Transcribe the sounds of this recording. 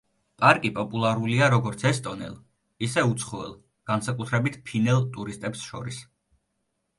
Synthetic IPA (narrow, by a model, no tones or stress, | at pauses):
pʼaɾkʼipʼɔpʼulˠaɾuliaɾɔɡɔɾt̪sʰɛst̪ʼɔnɛ̰lˠ | isɛut̪sʰχɔɛ̰lˠ | ɡ̥ansakʼut̪ʰɾɛbit̪ʰpʰinɛlˠt̪ʼuɾist̪ʼɛpsʃɔɾis